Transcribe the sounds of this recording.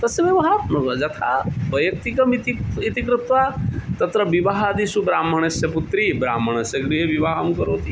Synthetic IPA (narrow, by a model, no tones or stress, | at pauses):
t̪ɐsjɐʋjɐʋɐɦanɐd͡ʒɐt̪ʰa̰bɐjɐk̚t̪ikɐmit̪iit̪ikɾut̪ʋat̪ɐt̪ɾɐʋiʋaɦad̪isubɾaːm̤ːɐɳ̃ɐsjɐput̪ɾibɾa̰ːm̤ːɐɳ̃ɐsjɐɡɾiɦɐʋiʋaːɦɐmkɐɾoːt̪i